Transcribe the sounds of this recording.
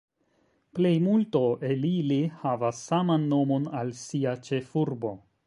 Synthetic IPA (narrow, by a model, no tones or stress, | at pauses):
ple̞jmulto̞ʔe̞lilihavasːamanːo̞mo̞nalsiat͡ʃe̞fuɾbo̞